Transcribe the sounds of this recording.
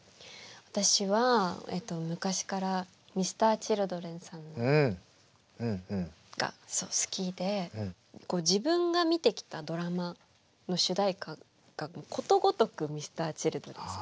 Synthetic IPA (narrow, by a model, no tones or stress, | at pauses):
βat̪aɕiβaḛt̪o̞mɯ̟kaɕi̥kaɾa | mʲisɨ̥t̪aːt͡ɕiɾɯ̟d̪o̞ɾẽ̞ɰ̃sãnːo | ɡ̥a̰so̞ːsɨ̥kʲid̪e̞ | ko̞ːd͡ʑibɯ̟̃ŋɡamʲit̪e̞kʲi̥t̪ad̪o̞ɾama | no̞ɕɨd̪aika | ɡ̥amokʰo̞t̪o̞ɡo̞t̪o̞kɯ̟mʲisɨ̥t̪aːt͡ɕiɾɯ̟d̪o̞ɾẽɰ̃sa